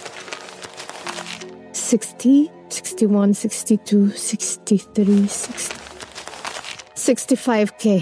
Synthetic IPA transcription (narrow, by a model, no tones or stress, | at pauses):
sɪkstʰi | sɪ̥kstiwʌ̃nsɪkstitʰusɪkstiθɾisɪksti̥ | sɪkstifaɪvkʰe